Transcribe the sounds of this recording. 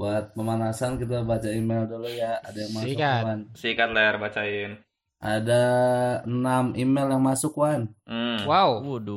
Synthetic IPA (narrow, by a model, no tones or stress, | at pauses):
baat̪̚pəmanasankit̪̬abat͡ʃaimeldolojaadajaŋmasʊkansikat̪larbat͡ʃaɪn | ʔadaənamimɛljaŋmasʊkwan̩waw